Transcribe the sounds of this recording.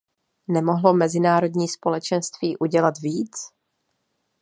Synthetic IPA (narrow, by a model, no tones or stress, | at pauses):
nɛmo̞ɦlo̞mɛzɪnaːɾo̞dɲiːspo̞lɛt͡ʃɛnst̪viːʔuɟɛlat̪viːt͡s